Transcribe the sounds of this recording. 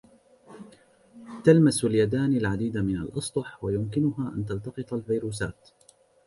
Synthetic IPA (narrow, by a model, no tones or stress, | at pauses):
t̪almasaljad̪aːnalʕad̪iːd̪amɪna̰lʔɑsˤd̪ˤʊħwajʊmkɪnʊɦaːʔa̰nt̪ɑlt̪ɑqɨt̪ˤɑlvajɾuːs̬a̰ːt̪